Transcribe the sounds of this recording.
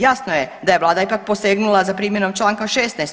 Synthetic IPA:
jasnojed̪ajeʋlˠaːd̪aipak̚po̞seːɡnulazapɾiːmjeno̞mt͡ʃlˠaːŋkaʃeːst̪najst̪

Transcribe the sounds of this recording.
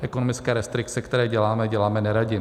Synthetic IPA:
ʔɛkonomɪt͡skɛːɾɛst̪ɾɪk̚t͡sɛkt̪ɛɾɛːɟɛlaːmɛɟɛlaːmɛnɛɾaɟɪ

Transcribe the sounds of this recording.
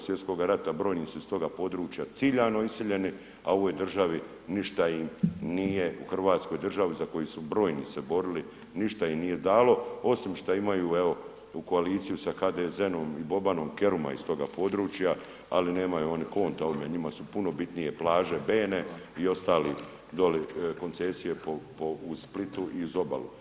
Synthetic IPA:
sʋjet̪sko̞ɡaɾat̪abɾo̞ːjniːsuist̪o̞ɡapo̞ːd̪ɾuːt͡ʃjat̪siːʎano̞isiʎe̞ni | ao̞ʋoːjd̪r̩ʒaʋi | niʃt̪aimnijeṵxr̩ʋaːt̪skojd̪r̩ʒaʋizako̞jisubɾo̞ːjnḭsebo̞ɾili | niʃt̪aimnije̞d̪aːlo̞o̞simʃt̪aimajuːeo̞ | uko̞aliːt̪sijusaxaːd̪ezeno̞mibo̞bano̞mke̞ɾuma̰ist̪o̞ɡa̰po̞d̪ɾuːt͡ʃja | a̰line̞ːmajuoniko̞ːnt̪aoimeɲimasupuno̞bit̪nije̞plaːʒe̞beːneio̞st̪aːli | d̪o̞liko̞nt̪sesije̞popousplit̪uʔiuzo̞ba̰lu

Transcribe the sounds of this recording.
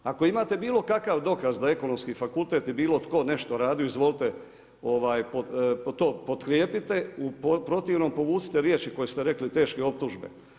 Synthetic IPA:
ako̞imaːt̪e̞biːlˠo̞kakaʋd̪o̞kazd̪ae̞ko̞nomskiːfakulˠt̪e̞ːt̪ibiːlˠo̞t̪ko̞ne̞ʃt̪o̞ɾaːd̪ijuizʋo̞ːlit̪e | o̞ʋaːjpopt̪o̞ːpo̞t̪kɾjeːpit̪e̞upopɾo̞t̪iʋno̞mpo̞ʋuːsi̥t̪eɾjeːt͡ʃiko̞jest̪eɾe̞klit̪e̞ːʃkeo̞p̚t̪uʒbḛ

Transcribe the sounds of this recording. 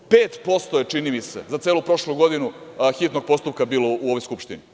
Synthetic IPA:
peːt̪po̞st̪ojet͡ʂinimise̞̰zat̪eːlupɾo̞ʃluɡo̞d̪inuxit̪no̞ɡ̚po̞st̪upkabiːlouoʋo̞jskupʃt̪ini

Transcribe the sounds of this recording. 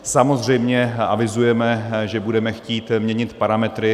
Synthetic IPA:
samo̞zr̝ɛjmɲɛa̰vɪzujɛmɛʒɛbudɛmɛxciːt̪mɲɛɲɪt̪paɾamɛt̪ɾɪ

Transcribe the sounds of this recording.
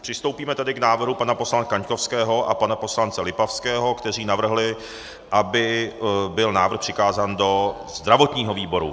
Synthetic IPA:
pr̥ɪst̪o̞wpiːmɛt̪adɪknaːvr̩ɦupanaposlan̚kaɲko̞fskɛːɦo̞ʔapanapo̞slant͡sɛlɪpafskɛːɦo̞kt̪ɛr̝iːnavr̩ɦlɪ | ʔabɪbɪlnaːvr̩xpr̥ɪkaːzaːndo̞ | zd̪ɾavo̞t̪ɲiːɦo̞viːbo̞ɾṵ

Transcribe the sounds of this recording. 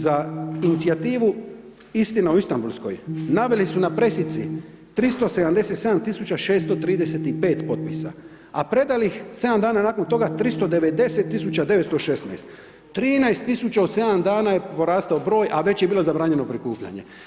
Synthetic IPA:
zainit̪siat̪iːʋu | ist̪inauist̪ambulˠsko̞̰jnaʋe̞lisunapɾe̞sit̪si | t̪ɾist̪o̞se̞d̪amd̪e̞se̞t̪se̞d̪amt̪isut͡ɕaʃe̞ːst̪o̞t̪ɾiːd̪ese̞t̪ipe̞ːt̪po̞t̪̚pisa̰ | apɾe̞d̪alixse̞d̪amd̪aːnanaːko̞nt̪o̞ɡat̪ɾist̪o̞d̪e̞ʋe̞d̪e̞se̞t̪ːisut͡ɕad̪e̞ʋet̪st̪o̞ʃe̞sna̰jst̪ː | ɾiːnaest̪ːisut͡ɕaose̞d̪amd̪aːnaje̞po̞ɾaːst̪aobɾo̞ːjʔaʋe̞t͡ɕjebiːlozabɾaːɲe̞no̞pɾikuːpʎa̰ɲe̞̰

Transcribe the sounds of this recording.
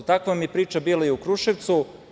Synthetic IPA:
t̪akʋamipɾiːt͡ʃabiːlaiukɾuʃeʋt̪su

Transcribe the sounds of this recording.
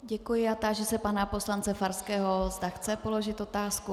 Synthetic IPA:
ɟɛkujɪat̪aʒɛsɛpanapo̞slant͡sɛfaɾskɛːɦozd̪axt͡sɛpo̞lo̞ʒɪt̪o̞t̪aːsku

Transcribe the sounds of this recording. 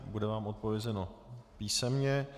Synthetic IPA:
budɛvaːmʔo̞t̪̚po̞vjɛzɛno̞piːsɛmɲɛ

